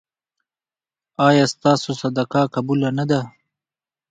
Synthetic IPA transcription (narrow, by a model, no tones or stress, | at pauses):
ɑjɑːst̪ɑːsosad̪akɑkabulanad̪a